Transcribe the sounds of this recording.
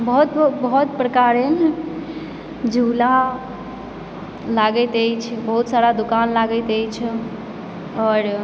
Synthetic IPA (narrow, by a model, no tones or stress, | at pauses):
bəɦut̪bəɦut̪pɾəkaɾen | d͡ʒʱula | laɡɛt̪əjt͡ʃʰbəɦut̪saɾad̪ukanlaɡət̪əjt͡ʃʰ | ɔɾ